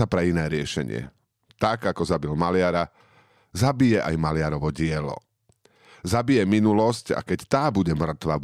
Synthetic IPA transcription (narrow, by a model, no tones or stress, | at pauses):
apɾɛinɛːɾɪɛʃɛ̰ɲɪɛ̰ | t̪aɡakɔzabilmalɪaɾa | zabijɛʔa̰jmalɪaɾɔʋɔɟɪɛlɔ̰ | zabijɛminulɔsca̰kɛct̪aːbuɟɛmr̩t̪ʋa